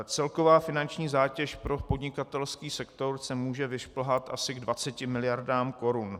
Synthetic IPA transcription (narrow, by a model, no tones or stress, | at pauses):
t͡sɛlkovaːfɪnant͡ʃɲiːzaːcɛʃpɾo̞po̞dɲɪkat̪ɛlskiːsɛkt̪o̞ɾsɛmuːʒɛvɪʃpl̩ɦat̪ʔasɪɡdvat͡sɛcɪmɪlɪjaɾdaːmko̞ɾun